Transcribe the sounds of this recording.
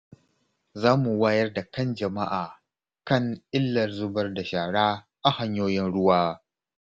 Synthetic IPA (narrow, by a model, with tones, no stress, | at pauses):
zaː˦mu˨waː˦jɐ˦rda˨kɐ˦nd͡ʒɐ˨ma˦ʔaː˨ | kɐ˦˨ŋʔɪ˦lːɐ˨rzʊ˦bɐ˦rda˨ʃaː˨ɽaː˦ | ʔa˨ha˨ɲjoː˦jɪ˦nɽʊ˦waː˦